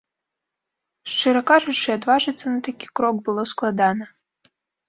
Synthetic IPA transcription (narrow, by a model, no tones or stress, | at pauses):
ʂt͡ʂɛɾɐkaʐut͡ʂɨad̪vaʐɨt̪sːɐnɐt̪akʲi̥kɾɔɡ̚bɨlˠɔsklˠad̪anɐ